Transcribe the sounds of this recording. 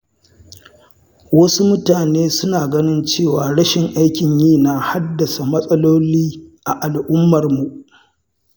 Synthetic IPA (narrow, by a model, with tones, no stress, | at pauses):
wɐ˦su˦mʊ˦taː˨neː˦sʊ˦naː˨ɡɐ˦nɪ˦nt͡ʃeː˦˨waː˨ɽɐ˦ʃɪ˨ŋʔa˦jkʲɪ˨ɲjiː˦˨na˨ha˦dːɐ˨sa˨mɐ˦sʼɐ˦loː˦liː˦ʔa˨ʔa˨lʔʊ˦mːɐ˨rmu˨ʔ